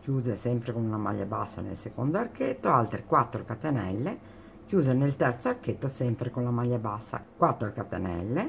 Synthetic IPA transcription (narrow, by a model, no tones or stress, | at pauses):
kjuːzesɛmpɾekonlama̰ʎːa̰basːa̰nḛlsekond̪oarket̪ːoalt̪ɾekwat̪ːɾokat̪enɛlːe | kjuːzenelt̪ɛrt̪soarket̪ːosɛmpɾekonlamaʎːabasːa̰kwat̪ːɾokat̪ːḛnɛ̰lːe